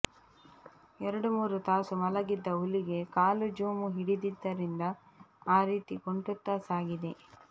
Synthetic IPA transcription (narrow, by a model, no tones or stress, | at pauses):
ɛɾɐɽumuːɾut̪aːsumɐlɐɡid̪ːɐuliɡe̞kaːlud͡ʒuːmuɦiɽid̪id̪ːɐɾind̪ɐ | aːɾiːt̪ikoɳʈut̪ːaːsaːɡid̪e̞